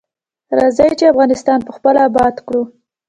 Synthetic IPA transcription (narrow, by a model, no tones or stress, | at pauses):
ɾɑzəjt͡ʃeafɣɑnɪst̪ɑnpəxpəlabɑd̪kɽu